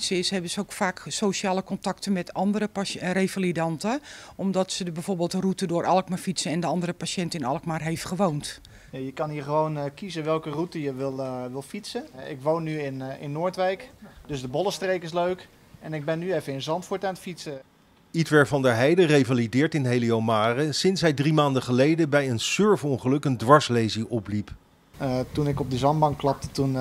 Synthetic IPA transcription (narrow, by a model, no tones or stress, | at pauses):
səɪsɦɛbənsəokfaːksoʃəaːləkɔntɑktənmɛtʰɑndəɾəɾejfalidɑntəɔmdɔtsəbɛjv̥oːrbeːlˠtərutədʊːɾʔɑlˠkmafitsəɛndəɑndərɾəpaʃɛntɪnɑlˠkmarɦejftχəʋownt | ajəkɑnhiːɹχəʋownkizəʋɛlˠkərutəjəʋɪlˠʋɪlˠfitsəɪkʋownːyɪnɪ̰nːoːɹtʋɛjkdɵzdəbɔlˠəstrejkɪsløɥk | ɛnɪɡ̚bɛnːyefənɪnzɑntfʊɹtaːnətfitsə | itʋɛɹvɑndəɦɛjdərejvalidɪːɹtɪnɦejliomaːrəsɪnsɦɛjdrimaːndəχəlejdəbɛjənsøɹfɔŋχəlɵkəndʋɑɹslejziʔɔplip | tunɪkɔb̚dəzɑmbɑŋkklɑp̚tətun